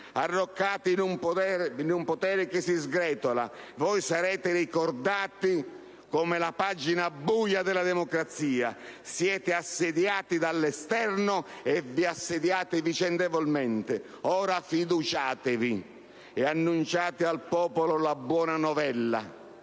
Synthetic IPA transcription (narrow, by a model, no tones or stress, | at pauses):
arːɔkːaːt̪ɪnump̪ɛnumpot̪ɛːɾɪkɪsizɡɾɛːt̪ola̰vɔjsaɾɛːt̪ɪɾikɔrd̪aːt̪ɪ | kɔmɪlapad͡ʒinabːujad̪ɛlad̪ɛmɔkɾat̪siːa̰sjɛːt̪ɪasːɪd̪jaːt̪id̪alːɛst̪ɛrnʊɛvːiasːed̪jaːt̪ɪvit͡ʃɛnd̪evɔlmɛnt̪ɪ | ɔːɾafid̪ut͡ʃaːt̪ɪvi | ɛanːunt͡ʃaːt̪ɪalpɔːpolʊlabwɔːnanɔvɛlːa̰